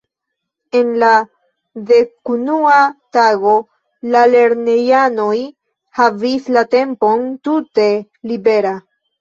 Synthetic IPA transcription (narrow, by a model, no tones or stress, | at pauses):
e̞nla | ðe̞kunuataɡo̞ | lale̞ɾne̞jano̞j | havislate̞mpo̞ntute̞ | libe̞ɾa